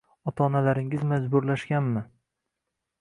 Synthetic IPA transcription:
ɒt̪ʰaɒːnalaɾɪŋɪzmad͡ʒbʊɾlaʃɡʲanmɪ

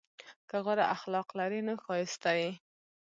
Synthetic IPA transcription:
kəɣaɾaʔaxlɑqlaɾinəxɑɪst̪aji

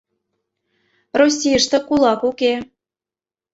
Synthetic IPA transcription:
rosʲijə̆ʃt̪ɤ̆kulˠɑkuke

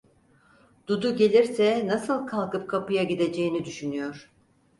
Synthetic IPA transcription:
d̪̥ud̪uɟe̞lʲiɾsɛnasɯlˠkʰalˠkɯp̚kʰapɯjaɟid̪e̞d͡ʒe̞jinid̪yʃynyjo̞ɾ̥

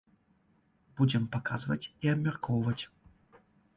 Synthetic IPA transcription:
b̥ud͡zʲɪmpɐka̰zɨvɐt͡sʲiɐbmʲɛrkʰɔwvɐt͡sʲ

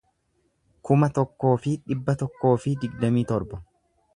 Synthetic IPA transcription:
kʊmɐt̪ɔkːo̞ːfɪᶑɪbːɐt̪ɔkːo̞ːfɪd̪ɪɡd̪ɐmiːt̪ɔɾbɔ

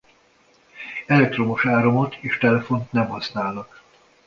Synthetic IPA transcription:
ɛlɛk̚t̪ro̞moʃaːɾo̞mo̞t̪ʰeːʃt̪ɛlɛfo̞nt̪nɛmhɒsnaːlnɒk

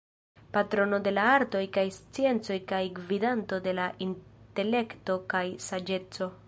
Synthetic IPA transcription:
patɾo̞no̞de̞laaɾto̞jkajst͡sie̞nt͡so̞jkajɡvidanto̞de̞laʔinte̞le̞kto̞kajsad͡ʒe̞t͡so̞

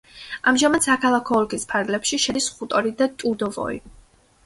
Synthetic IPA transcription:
amʒamad̪̥sakʰalˠakʰɔːlkispʰaɾɡlɛpʃiʃɛd̪isχut̪ʼɔɾid̪at̪ʼud̪ɔvɔ̰ḭ

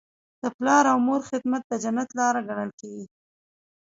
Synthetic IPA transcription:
d̪̥əplɑɾawmoɾxɪd̪mat̪̚d̪əd͡ʒanat̪lɑɾaɡaɽ̃əlkeɡi

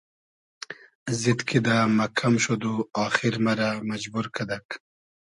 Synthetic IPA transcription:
zit̪kʰid̪amɐkʰamʃod̪uaːxiɾmaɾamɐd͡ʒbuɾkʰad̪ak

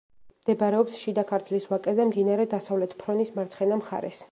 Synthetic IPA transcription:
md̪ɛbɾɛɔpsʃid̪akʰaɾt̪ʰliswakʼɛzɛmd̪inaɾɛd̪asavlɛt̪ʰpʰɾɔnismaɾt̪sʰχɛnamχa̰ɾɛ̰s

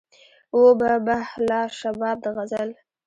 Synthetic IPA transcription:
obabahlɑʃabɑb̚d̪əɣazəl

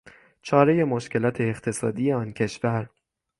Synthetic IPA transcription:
t͡ʃʰɒːɾe̞je̞moʃce̞lɒːt̪ʰe̞ːχt̪ʰe̞sɒ̰ːd̪ijeɒːncʰe̞ʃvæɾ

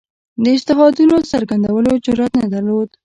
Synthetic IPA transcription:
d̪əɪst̪ɪɦɑd̪unosaɾɡand̪awəlod͡ʒʊɾat̪nad̪aɾlod̪

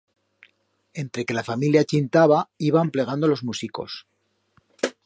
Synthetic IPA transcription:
e̞nt̪ɾe̞ke̞lafamiljat͡ʃint̪aβaiβample̞ɣ̞and̪o̞lo̞zmusiko̞̰s

